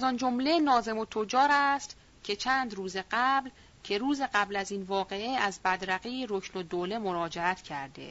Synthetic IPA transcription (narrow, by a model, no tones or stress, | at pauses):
æzɒnd͡ʒomle̞nɒːze̞mot̪ʰod͡ʒɒːɾæst̪ | cʲʰe̞t͡ʃʰæːnd̪ruːze̞ɢæbl | cʰe̞ɾuːze̞ɢæblæziːnvɒːɣe̞eæzbæd̪ɾæɣijeɾoknod̪oːle̞moɾɒːd͡ʒeæt̪ʰcʰæɾd̪ḛ